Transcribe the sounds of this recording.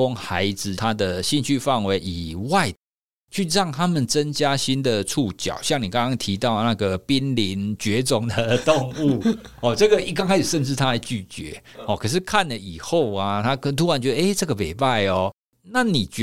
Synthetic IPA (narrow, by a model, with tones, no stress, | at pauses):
ɔ˦˥ŋxa˨˦ɪd͡zɹ̩˨t̪ʰa˦˥d̪ə˨ɕi˥˧nt͡ɕʰy˥˧fa˥˩ŋwe˧˥ɪʔi˨˩wa˥˨ɪə | t͡ɕʰy˥˧ɻɑ˥˩ŋt̪ʰa˦˥mə˨nt͡sə˦˥nt͡ɕja˦ɕi˦nd̪ə˨t͡sʰu˥˩t͡ɕjɑ̰˨˩ʊɕjɑ˥˩ŋni˨˩kã˥˦ŋkɑ˥ŋt̪ʰi˧˥t̪ɑ˥˩ʊ˩na˥˧ɡə˩pi˦˥nli˧˦nt͡ɕɥɛ˨˧˦t͡sʊ˨˩ŋd̪ə˨˩t̪o˥˧ŋu˥˩ɔ˨˩t͡sɤ˥˩ɡə˨i˥˩ka˥ŋʰa˧˥ʂ̩i˨˩ʂə˥˧nt͡sɻ̩˥˩t̪ʰa˥la˨˧˥ɪt͡ɕy˥˩t͡ɕɥɛ̰˧˦hɔ˨˩kʰə˨˩ʂɻ̩˥˩kʰa˥˨nlə˨i˨˩xo˥˨ʊa˩t̪ʰa˦˥kt̪ʰu˥a˧˦nt͡ɕɥɛ˧˦d̪ə˨˧e˥˩ʈ͡ʂɤ˥˩ɡə˨˩pe˨˩ɪpa˥˩ɪɔ˨˩ | na˥˩ni˨˩t͡ɕ